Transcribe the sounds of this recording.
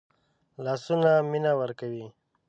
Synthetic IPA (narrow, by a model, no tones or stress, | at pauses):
lɑːsunaminawəɾkawi